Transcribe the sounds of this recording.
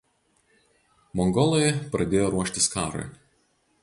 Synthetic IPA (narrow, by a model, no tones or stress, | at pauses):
mɔŋɡɔlˠɔjɛpɾɐd̪ʲeːjoːɾuɔʃʲt̪ʲɪskɑːɾo̰ɪ